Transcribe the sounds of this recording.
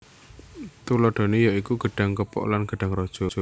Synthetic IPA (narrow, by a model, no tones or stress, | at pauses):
t̪ulɔɖ̥ɔ̤nejaʔikuɡ̥ə̤ɖ̥a̤ŋkəpɔ̰ʔlanɡ̥ə̤ɖ̥aŋɾɔd̥ʒ̥ɔ̤ɔ